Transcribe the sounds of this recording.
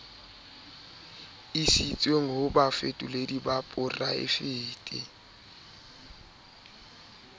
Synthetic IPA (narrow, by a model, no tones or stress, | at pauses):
isit͡sʼweŋ̩ɦʊbafetʼʊledibapʼʊraɪ̰fɪːtʼɪ